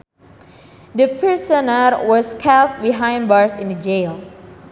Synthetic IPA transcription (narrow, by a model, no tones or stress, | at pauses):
dəpʰɹisənəɹwɔskʰɛlt̚biɦãj̃nbaɹsḭ̃ndəd͡ʒel